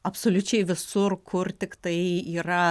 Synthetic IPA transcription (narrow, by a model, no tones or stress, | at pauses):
ɐpsoːlʲʊt͡ʃʲɛɪʋʲɪsʊrkʰʊrt̪ʲɪkt̪ɐɪiːɾɐ